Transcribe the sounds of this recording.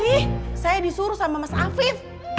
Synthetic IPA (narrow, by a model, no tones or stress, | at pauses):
isajabisuɾusamamasafið